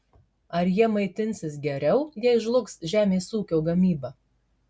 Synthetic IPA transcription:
ɐɾjiɛmɐɪt̪ʲɪnʲsʲɪsɡʲɛɾʲɛʊjiɛɪʒlˠʊksʒʲæːmʲeːsuːkʲoːɡɐmʲiːbɐː

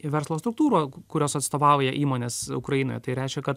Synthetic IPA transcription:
ʋʲɛɾslˠoːst̪ɾʊk̚t̪uːɾoːkʊɾʲoːsɐt̪st̪oːʋɑʊjɛʔiːmoːnʲeːsʊkɾɐjino̰ːjɛt̪ɐɪɾʲɛɪʃʲkʲɛkɐt̪

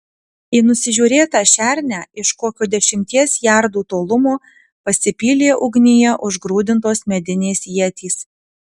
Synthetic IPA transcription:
ɪːnʊsʲɪʒʲuːɾʲeːt̪ɑʃʲæˑɾʲnʲæːɪʃkoːkʲuːd̪ʲɛʃʲɪmʲt̪ʲiɛsjæˑɾd̪uːt̪oːlˠʊmoː | pɐsʲɪpʲiːlʲeːʔʊɡnʲɪjɛʔʊʒɡɾuːd̪ʲɪnt̪oːsmʲɛd̪ʲɪnʲeːsjiɛt̪ʲiːs

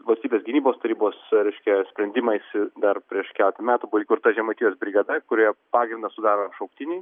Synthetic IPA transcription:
ʋɐlʲsʲt̪ʲiːbʲesɡʲɪnʲiːboːst̪ɐɾʲiːboːsɾʲɛɪʃʲkʲɛsʲpʲɾʲɛnʲd̪ʲɪmɐɪsʲɪd̪ɐrpʲɾʲiɛʃkʲæːlʲɛt̪ʲɐmʲæːt̪ʊbuikʊrt̪ɐʒʲɛmɐt̪ʲiːjoːsbʲɾʲɪɡɐd̪ɐkʊɾʲiɛpɑːɡɾʲɪnd̪ɐsʊd̪ɑːɾoʃɐʊkt̪ʲɪnʲɛɪ

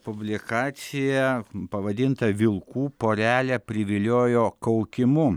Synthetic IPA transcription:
pʊbʲlʲɪkɑːt̪sʲɪjɛpɐʋɐd̪ʲɪnt̪ɐʋʲɪlˠkuːpoːɾʲæːlʲɛpʲɾʲɪʋʲɪlʲoːjoːkɐʊkʲɪmʊ

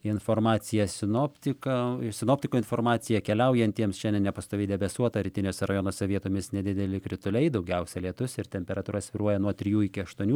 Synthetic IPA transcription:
ɪnfoːrmɑːt͡s̪ʲɪjɛsʲɪnoːpʲt̪ʲɪkɐsʲɪnoːpʲt̪ʲɪkoːɪnfoːrmɑːt͡s̪ʲɪjɛkʲɛlʲɛʊjɛnʲt̪ʲiɛmsʃʲɛnʲd̪ʲɛnnʲɛpɐst̪oːʋʲɛɪd̪ʲɛbʲɛsuɔt̪ɐɾʲɪt̪ʲɪnʲoːsʲɛɾɐjoːnoːsʲɛʋʲiɛt̪oːmʲɪsnʲɛd̪ʲɪd̪ʲɛlʲɪkɾʲɪt̪ʊlʲɛɪd̪ɐʊɡʲɛʊsʲɛlʲiɛt̪ʊsʲɪrt̪ʲɛmʲpʲɛɾɐt̪uːɾɐsʲʋʲɪɾuɔjɛnuɔt̪ʲɾʲɪjuːɪkʲɪɐʃt̪uɔnʲuː

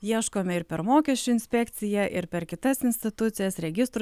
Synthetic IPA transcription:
jiɛʃkoːmʲɛɪɾpʲɛɾmoːkʲɛsʲt͡ʃʲʊɪnʲsʲpʲɛkt̪sʲɪjɛʔɪɾpʲɛɾkʲɪt̪ɐsɪnʲsʲt̪ʲɪt̪ʊt̪sʲɪjɛsɾʲɛɡʲɪst̪ɾ

